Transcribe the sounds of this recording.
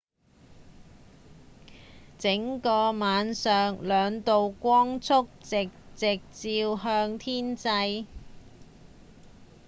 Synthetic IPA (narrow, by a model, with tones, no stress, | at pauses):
t͡sɪ˨˥ŋkɔː˧maː˨˧nsœː˨ŋlœː˨˧ŋt̪o˨wkʷɔː˥ŋt͡sʰʊ˥k̚t͡sɪ˨k̚t͡sɪ˨k̚t͡siː˧wɦœː˧ŋt̪ʰiː˥nt͡sɐ˧j